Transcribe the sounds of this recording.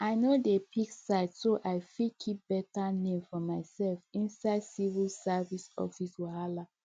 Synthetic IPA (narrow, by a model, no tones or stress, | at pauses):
aɪnodepʰiksaɪtsoʔaɪfikʰip̚b̥ɛtanẽmfɔmaɪsɛlfĩnsaɪdsivilsavisɔ̰fiswahala